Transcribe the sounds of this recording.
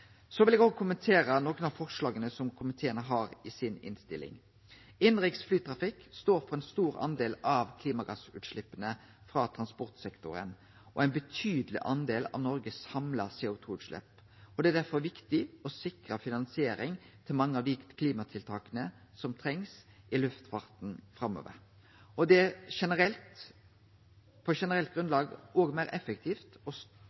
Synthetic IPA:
sɔʋɪlɛɡoɡəkʰʊmənt̪ʰeːɾənoːkənɑʋfɔʁʂlɑːɡənəsɔmkʰʊmɪt̪ʰeːənəɦɑːɾɪsɪnɪ̰nst̪ɪlɪ̰ŋ | ɪnɾɪksflyːt̪ʰʁɑfɪkst̪oːɾfɔʁɛnst̪uːɾɑ̰nd̪eːlɑʋkʰliːmɑɡɑsʉ̰ːt̪ʂlɪpːənə | fɾɑːt̪ʰʁɑnspɔʁt̪sɛkt̪ʊ̰ɾə̰n | ʔɔ̰æɪnbət̪ʰyːd̪əlɪ̰ʔɑnd̪eːlɑ̰ʋnɔɾɡəshɑmlɑseːʊt̪ʰuːʉːt̪ʂlɛ̰p | ɔd̪ɛæd̪æɾfɔɾʋɪkt̪ɪɔsɪkɾəfɪnɑnsɪeːɾɪŋt̪ʰɪlmɑŋːəɑʋd̪ik̪kʰliːmɑt̪ʰɪlt̪ʰɑːkənəsɔmt̪ʰɾɛŋsʔɪlʉft̪fɑʁt̪nfɾɑmːo̰ːʋə̰ɾ | ɔd̪ɛæʂɛnəɾɛlt̪ | pʰɔʂɛnəɾɛlt̪̚ɡʁʉnd̪lɑːɡoːɡmæɪɾɛfəkt̪ʰiːft̪ɔs

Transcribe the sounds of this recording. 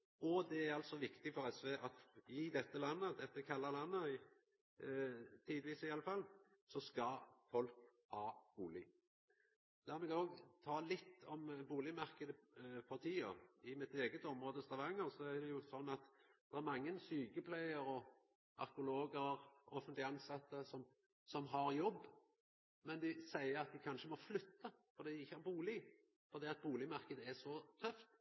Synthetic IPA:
ɔd̪ɛæɾɑlt̪sɔʋɪkt̪ɪfɔʁɛsʋeːʔɑt̪ɪd̪ɛt̪ːəlɑnːəd̪ɛt̪ːəkʰɑlːɑlɑnːəɪ | t̪ʰiːd̪ʋiːsɪɑləfɑlsɔskɑfɔlk | hɑːb̥uːlɪ | d̪æːʁmɛɡoːɡt̪ʰɑːlɪt̪ʰːɔmbuːlɪmæʁkəd̪əpʰɑʁt̪ʰiːə̰ɪmɪt̪eːɡət̪ɔmʁoːd̪əst̪ʁɑʋɑŋːənsɔæd̪ɛjʊsɔnːɑt̪d̪̥ɛæɾmɑŋːənsyːkəpʰlæɪəɾɔ | ɑ̰ɾkʊloːɡəɾɔfənt̪lɪɑnsɑt̪ːəsɔm | sɔmɦɑɾjɔbː | mɛnd̪ɪsæɪəɾɑt̪̚d̪ɪkʰɑnʃəmɔflʏt̪ʰːɑfɔɾd̪iːd̪ɪɪçːəhɑɾbuːlɪ | fɔɾd̪iːɑt̪̚buːlɪmɑʁkəd̪əɛsɔt̪ʰœft̪

